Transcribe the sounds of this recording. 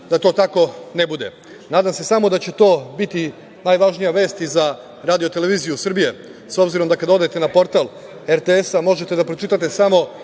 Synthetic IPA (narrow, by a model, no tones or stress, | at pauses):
d̪at̪o̞ːt̪ako̞ne̞bud̪e̞̰ | naːd̪amse̞samo̞d̪at͡ɕe̞t̪o̞ːbit̪i | najʋaʒnijaʋe̞ːst̪iza | ɾaːd̪io̞t̪e̞le̞ʋiːzijusr̩bije̞so̞bziɾo̞md̪akad̪ao̞d̪aet̪e̞napo̞ɾt̪al | eɾt̪eesamo̞ʒe̞t̪e̞d̪apɾo̞t͡ʃit̪at̪esamo̞